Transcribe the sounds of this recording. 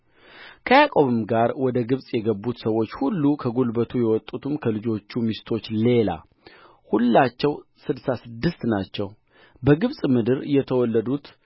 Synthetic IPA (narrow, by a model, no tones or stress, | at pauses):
kʰəjakʼo̞βɨmɡaɾwɔd̪əɡɨβsʼjɛɡəbːut̪səwːo̞t͡ʃːhulːukʰəɡulbət̪ʰujɛwɔt̪ʼːut̪ʰɨmkʰəlɨd͡ʒo̞t͡ʃːumist̪ʰo̞t͡ʃːle̞la̰ | hulːat͡ʃːɛwsɨd̪sasɨd̪ːɨst̪nat͡ʃːɛw | bəɡɨβsʼmɨd̪ɨɾjɛt̪ʰəwɔlːəd̪ut̪